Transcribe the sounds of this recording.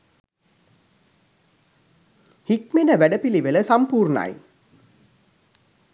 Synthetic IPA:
hikmenəʋæɖəpiliʋələsampuːrna̰j

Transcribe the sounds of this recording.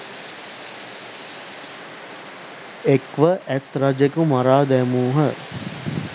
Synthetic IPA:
ekʋəʔæt̪rad͡ʒekumaɾaːd̪æmuːɦə

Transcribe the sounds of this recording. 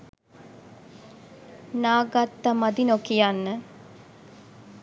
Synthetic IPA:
naːɡat̪ːamad̪inokijanːə

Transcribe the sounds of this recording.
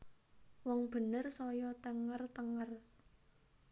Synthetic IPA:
wɔŋb̥ə̤nərsɔjɔt̪əŋərt̪əŋər

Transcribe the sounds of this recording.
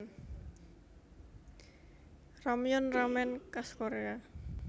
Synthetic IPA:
rɔmjʊnramɛnkaskoɾea

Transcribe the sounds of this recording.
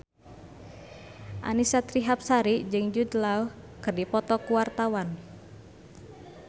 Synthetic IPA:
ʔa̰nisat̪ɾiɦap̚saɾid͡ʒɨŋd͡ʒud̪lau | kɨrdipɔt̪ɔkuwart̪awan

